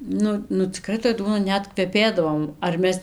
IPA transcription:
ˈnʊ nʊ t͡sʲɪˈkrɐɪ toːj ˈduɔnɐ ˈnʲɛt kʋʲɛˈpʲeːdɐʋoː ɐr ˈmʲɛs

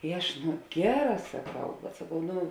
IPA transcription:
ɪ ˈɐʃ ˈnʊ ˈɡʲæːˌrɑː sɐˈkɐʊ bʲɛt sɐˈkɐʊ ˈnʊ

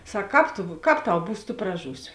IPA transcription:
ˈsɐk ˈkɑːp tʊ ˈkɑːp ˈtɐʊ ˈbuːs tʊ prɐˈʒuːsʲɪ

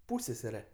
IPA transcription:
ˈpuːsʲsʲɛsʲɛrʲɛ

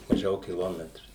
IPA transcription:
mɐˈʒʲɛʊ kʲɪˈlˠoːmʲɛtrʊ

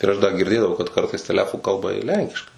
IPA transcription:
ɪr ˈɐʃ ˈdɐ ɡʲɪrʲˈdʲeːdɐʋɐʊ kɐt ˈkɐrtɐɪs tʲɛˈlʲæːfʊ ˈkɐlˠbɐ ɪr ˈlʲɛŋʲkʲɪʃkɐɪ

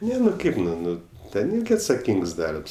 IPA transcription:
ˈnʲɛ nʊ ˈkɐɪp nʊ ˈnʊ ˈtʲɛn ˈɪrʲɡʲɪ ɐtsɐˈkʲiːŋks ˈdɐrps

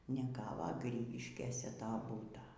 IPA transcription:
nʲɛˈɡɑːʋoː ˈɡrʲiːɡʲɪʃʲkʲeːsʲɛ ˈtoː ˈbuːtoː

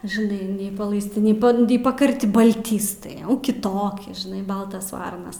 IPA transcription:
ʒɨˈnɐɪ nʲɛɪ pɐlˠɐɪsʲˈtʲɪ nʲɛɪ ˈbɐnt nʲɛɪ pɐkɐrʲˈtʲɪ bɐlʲˈtʲiːstɐɪ ˈjɛʊ kʲɪˈtoːkʲɪ ʒʲɪˈnɐɪ ˈbɐlˠtɐs ˈʋɐrnɐs

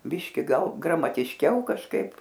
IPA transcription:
ˈbʲɪʃʲkʲɪ ˈɡɐlˠ ɡrɐmɐtʲɪʃʲˈkʲɛʊ kɐʃˈkɐɪp

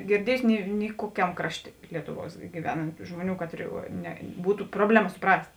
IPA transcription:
ɡʲɪrʲˈdʲiɛjʊsʲɪ ˈnʲɪ nʲɪ ˈkuɔkʲɛm ˈkrɑːʃʲˌtʲeː ˈlʲiɛtʊˌʋuɔs ɡʲɪˈʋʲæːnɐnt ˈʒmoːˌnʲuː ˈkɑːtʲrʲɪ nʲɛ ˈbuːtʊ ˈproːbʲlʲɛˌmɐ sʊˈprɐsʲtʲ

